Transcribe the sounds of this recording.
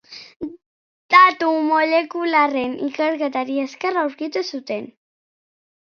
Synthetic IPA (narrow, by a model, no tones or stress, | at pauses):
d̪̥at̪umoʎekularenḭkəɾɣat̪aɾieskerawɾkit̪esut̪en